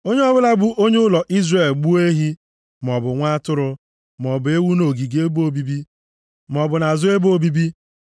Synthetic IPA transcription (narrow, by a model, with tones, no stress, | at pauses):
o˦ɲe˦ɔ˦bʊ˦la˦ɡ͡bu˦ʔo˦ɲe˦ʊ˦lɔ˨ʔi˦zre˨lɡ͡bu˦e˦ɦi˦ | m˨ɔ˨bʊ˨ŋʷa˦tʊ˦ɾʊ˦ | m˨ɔ˨bʊ˨e˦wu˦no˨ɡi˨ɡe˦bo˨bi˦bi˦ | m˨ɔ˨bʊ˨na˨zʊ˦e˦bo˦bi˦bi˦